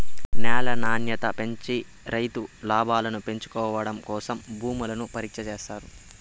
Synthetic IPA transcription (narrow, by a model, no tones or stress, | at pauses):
nɛːlɐnaːnjɐt̪ɐpe̞ɲt͡ʃi | ɾɐjt̪ulaːbʱaːlɐnupe̞ɲt͡ʃu̥kɔːʋɐɽɐmkɔːsɐmbʱuːmulɐnupɐɾiːkʂɐt͡ʃeːst̪aːɾu